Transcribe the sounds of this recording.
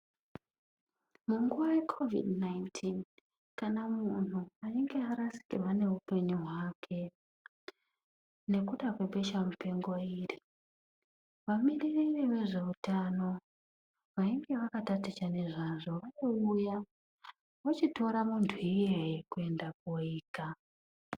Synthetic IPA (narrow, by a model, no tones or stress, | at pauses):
muŋɡuʋaje̞kʰo̞vḭdnaintʰin | kanamun̤uaiŋɡe̞aɾasi̥kḭrwane̞ɦupe̞ɲuɦwakʰe̞ | ne̞kuɗakwe̞ɓe̞ʃamupe̞ŋɡo̞iːri | ʋamiriririʋe̞ʐe̞utano̞ | ʋaiŋɡe̞ʋakatatit͡ʃane̞ʐaʐo̞ʋaiuja | wot͡ʃito̞ɾamuntʰuijeikue̞ndak̚oiːka